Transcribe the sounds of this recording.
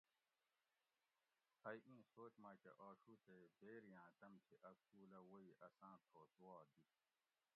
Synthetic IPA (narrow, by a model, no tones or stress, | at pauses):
hɐiʔĩːsoːt͡ɕmaːkḛʔaːɕuːt̪ʰebeːɾijãːt̪ɐmt̪ʰiʔɐksuːlɐwoiʔɐsãːt̪ʰoːsuwaːd̪it̪